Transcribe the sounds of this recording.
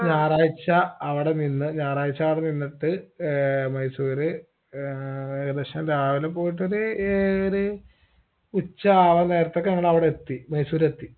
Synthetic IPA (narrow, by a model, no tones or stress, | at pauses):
ɲaːraːjit͡ɕːɐːʋiɽeninːɨɲaːraːjit͡ɕːɐaːʋiɽeninːiʈːɨ | mɐjsuːɾɨ | eɣɐd̪ɐɕɐndaːʋilep̬oːjiʈ̬ːo̞ɾuoɾu | ut͡ɕːɐaːʋɐne̞ːɾɐt̪ːo̞kːeɐŋːɐɭɐʋiɽeet̪ːimɐjsuːɾet̪ːi